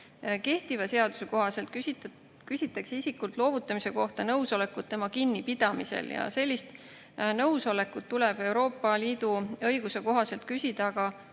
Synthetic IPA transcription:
ke̞ht̪ivɑse̞ɑd̪̥u̥se̞ko̞ɦɑse̞lt̪̚k | kysʲit̪ːˑɑksisikult̪ˑlo̞ːvut̪ˑːɑmise̞ko̞ht̪ɑnɤwso̞le̞kːˑut̪ːe̞mɑkinːipid̪̥ɑmise̞̰ljɑ̰se̞lʲːist̪ | nɤwso̞le̞kːˑut̪ːulɛb̥e̞wɾo̞ːpˑːɑliːd̪̥uɤjɡ̥use̞ko̞ɦɑse̞lt̪̚kysʲid̪̥ɑɡ̥ɑ

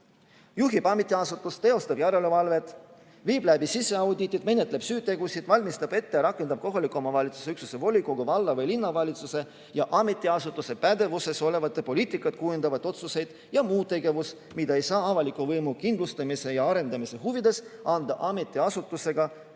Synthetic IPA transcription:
juɦibɑmet̪ːˑiɑsut̪ːˑust̪e̞o̞st̪ɑb̥jæɾe̞levɑlve̞t̪ːˑ | viːblæbisisːe̞ɑwd̪ʲit̪ːˑid̪̥me̞ne̞t̪le̞b̥syːt̪ːe̞ɡusid̪̥vɑlʲmist̪ɑb̥e̞t̪ːeɾɑkˑːend̪ɑb̥̚ko̞ɦɑlikːˑomɑvɑlʲit̪su̥seyksuse̞vo̞lʲikˑoɡ̥uvɑlːɑvɤjlinːɑvɑlʲit̪suse̞ | jɑʔɑme̞t̪ːˑiɑsut̪ːˑuse̞pæd̪e̞vuse̞so̞le̞vɑt̪ːˑepo̞liːt̪ːˑikːˑɑt̪̚kujund̪̥ɑvɑt̪ːˑo̞t̪suse̞jd̪̥ | jɑmuːt̪t̪ːˑeɡe̞vus | mid̪ɑe̞jsɑːɑvɑlikːˑuvɤjmukind̪lust̪ɑmise̞jɑɑɾe̞nd̪ɑmise̞ɦuvid̪̥e̞sɑnd̪̥ɑ̰ʔɑme̞t̪ːˑiɑsut̪ːˑuse̞ɡ̥ɑ

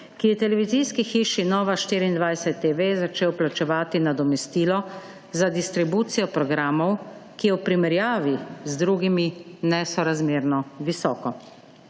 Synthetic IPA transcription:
kijɛt̪ɛlɛʋiziːskixiːʃinɔːʋaʃt̪iːɾiːnd̪ʋajsɛt̪ːeʋezat͡ʃeːwplat͡ʃɛʋaːt̪inad̪ɔmɛst̪iːlɔ | zad̪ist̪ɾibuːt̪sijɔpɾɔɡɾaːmɔwkijɛwpɾimɛɾjaːʋizd̪ɾuɡiminɛsɔɾazmeːɾnɔʋisɔːkɔ

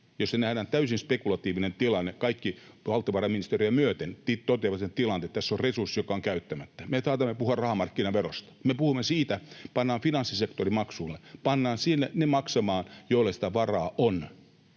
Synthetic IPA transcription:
jossenæhɾæːnt̪æysinspekulɑt̪iːʋinent̪ilɑnːekɑikːi | ʋɑlt̪ːˑɑʋɑrɑminist̪erijɑmyøt̪ent̪it̪ot̪eʋɑset̪ilɑnt̪et̪t̪æsːorresursːijokɑoŋkæyt̪ːæmæt̪ːæ̥mesɑːt̪ɑmːepuhuɑrrɑhɑmɑrkːinɑʋero̰st̪ɑ̥mepuhumːesiːt̪æpɑnːɑːnfinɑnsːisekt̪orimɑksuːlːepɑnːɑːnsinːenemɑksɑmɑːnjoilːɑsi̥t̪æʋɑrɑːʔon

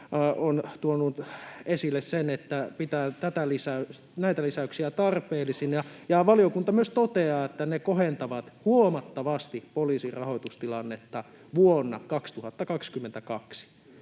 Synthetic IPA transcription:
ont̪uonuesilːessenet̪ːæpit̪æːt̪æt̪ælisæys | næit̪ælisæyksiæt̪ɑrpeːlːˑisinjɑjɑʋɑliokunt̪ɑmyøst̪ot̪eɑːet̪ːænekohent̪ɑʋɑt̪huomɑt̪ːɑʋɑst̪ipoliːsirɑhoit̪ust̪ilɑnːet̪ːɑ | ʋuonːɑkɑkst̪uhɑt̪ːɑkɑkskymːent̪ækɑksi̥

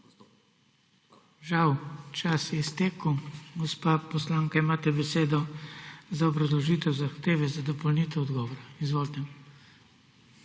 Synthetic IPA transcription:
ʒawt͡ʃasjɛst̪eːkəwɡɔspapɔslaŋkaimaːt̪ɛbɛseːd̪ɔ | zaɔbɾazlɔʒiːt̪ɛwzaxt̪eːʋɛzad̪ɔpɔlniːt̪ɛwɔd̪ɡɔːʋɔɾaizʋoːlt̪ɛ

